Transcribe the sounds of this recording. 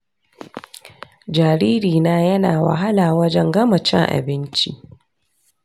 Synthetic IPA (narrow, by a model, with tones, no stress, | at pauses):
d͡ʒaː˨ɾiː˦ɾiː˨naː˦jɐ˦naː˨wa̰˨ɦa˦laː˨wɐ˦d͡ʒɛ˦ŋɡɐ˦mɐ˨t͡ʃɛ̰˦ŋʔa̰˨bɪ˦nt͡ʃi˦ʔ